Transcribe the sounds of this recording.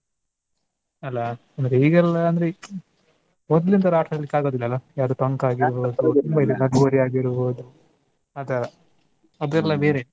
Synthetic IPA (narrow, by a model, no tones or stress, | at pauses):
ɐlːɐ | ɐnd̪ɾeiːɡɛlːɐːnd̪ɐɾe | mɔd̪lind̪ɐɾaːʈɾɐd̪ɐlːikːaːɡo̞ːd̪ilːɐːlːɐjaːɾd̪oːt̪ɐŋkaːɡiɾboːd̪ut̪umbɐid̪enɐɖɡoːɾiaːɡiɾbo̞ːd̪u | ɐd̪ɐɾɐ | ɐd̪ɛlːɐbeːɾe